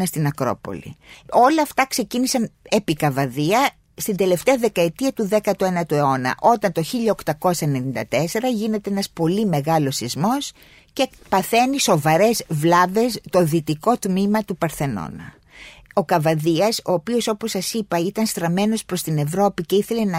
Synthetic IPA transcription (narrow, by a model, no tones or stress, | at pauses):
ɐst̪inɐkɾo̞̰po̞̰lḭo̞lɐːft̪ɐkse̞cinisɐnepikɐvɐðiɐ | st̪ind̪e̞left̪eɐðe̞kɐet̪iɐt̪uðe̞kɐt̪oenɐt̪ue̞o̞nɐ̰ʔo̞t̪ɐnt̪o̞çiʎɐokt̪ɐko̞sɐene̞nind̪ɐt̪e̞se̞ɾɐʝine̞t̪eenɐspo̞lime̞ɣɐlo̞sizmo̞s | ce̞pɐθeniso̞vɐɾe̞zvlɐve̞st̪o̞ðit̪iko̞t̪mimɐt̪upɐɾθe̞no̞̰nɐ̰ | o̞kɐvɐðiɐso̞ːpioso̞po̞sːɐsipɐit̪ɐnst̪ɾɐme̞no̞spɾo̞st̪ine̞vɾo̞pice̞iθele̞nɐ